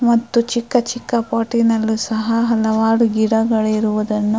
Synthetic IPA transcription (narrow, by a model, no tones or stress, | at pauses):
mɐt̪ːut͡ʃikːɐt͡ʃikːɐpaːʈinɐlːusɐɦɐɦɐlɐʋaːɽuɡiɽɐɡɐɭiɾuʋud̪ɐnːu